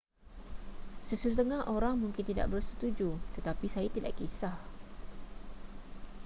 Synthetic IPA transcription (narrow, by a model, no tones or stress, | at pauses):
səsəst̪əŋaɦʔoɾaŋmũŋkɪnt̪ida̰ʔ̚bərsət̪ud͡ʒut̪ət̪apisajat̪ida̰ʔkisah